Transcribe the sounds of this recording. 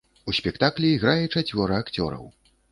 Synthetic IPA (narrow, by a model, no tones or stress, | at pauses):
usʲpʲɛkt̪aklʲiːɣɾajɛt͡ʂat͡sʲvʲɔɾɨakt͡sʲɔ̰ɾɐ̰w